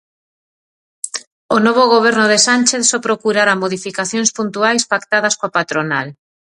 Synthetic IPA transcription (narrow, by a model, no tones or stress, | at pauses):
onɔβ̞oɣ̞oβ̞ɛɾnʊðesanʲt͡ʃeθsɔpɾokuɾaɾamoðifikaθjõŋspunt̪uajspakt̪aðɐskoapat̪ɾonal